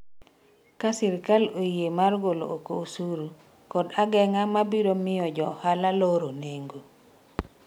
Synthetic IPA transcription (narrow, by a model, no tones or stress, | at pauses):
kasɪɾkalojemarɡolo̰ʔokosuɾu | kɔdaɡɛŋamabiɾomɪjɔd͡ʒɔhalaloɾoneŋɡo